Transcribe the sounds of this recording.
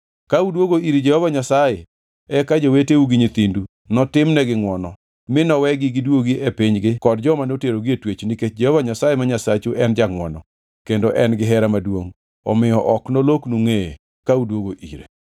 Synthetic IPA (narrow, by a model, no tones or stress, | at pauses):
kaudwoɡoiɾed͡ʒɛhɔvaɲasaje | ɛkad͡ʒoweteuɡiɲit̪indu | nɔtɪmnɛɡɪŋwɔnɔ | mɪnɔwɛɡɪɡɪdwoɡiʔepɪɲɡɪkɔdd͡ʒɔmanoteɾoɡɪetwet͡ʃniket͡ʃd͡ʒɛhovaɲasajemaɲasat͡ʃuʔɛnd͡ʒaŋwɔnɔ | kendoʔɛnɡɪɦɛɾamadwoŋ | ɔ̰mɪjɔʔɔknɔloknuŋeḛ | kaudwoɡoʔḭɾḛ